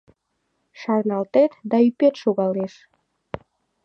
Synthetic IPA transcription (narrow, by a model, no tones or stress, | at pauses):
ʃɑrnɑlt̪et̪d̪ɑypet̪ʃoɣɑleʃ